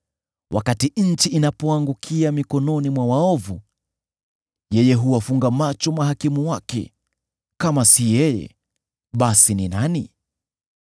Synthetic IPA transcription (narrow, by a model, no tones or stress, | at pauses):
wʔa̰katiɲ̩t͡ʃiʔinapɔaŋɡukʰiamikɔnɔnimwawaɔvu | jɛjɛɦuwafuŋɡamat͡ʃɔmaɦakimuwakɛ̰ | kamasijɛjɛ̰ | ɓasininani